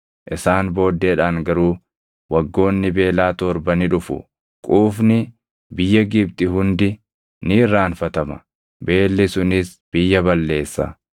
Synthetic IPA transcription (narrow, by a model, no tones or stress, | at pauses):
ʔɪsaːnbo̞ːd̪ːe̞ːᶑaːŋɡɐɾuː | wɐɡːo̞ːnːɪbe̞ːlaːt̪ɔɾbɐnɪᶑʊfʊ̰ | kʼuːfnɪ | bɪjːɐɡɪbt̪ʼɪɦʊnd̪ɪ | nɪrːaːnfɐt̪ɐmɐ̰ | be̞ːlːɪsʊnɪsb̥ɪjːɐbɐlːe̞ːsːɐ̰